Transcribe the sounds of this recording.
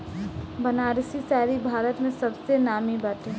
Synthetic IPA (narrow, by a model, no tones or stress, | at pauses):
bənaːɾsisaːɾibʱaːɾət̪mẽsɐbsenaːmibət̪ɦɛ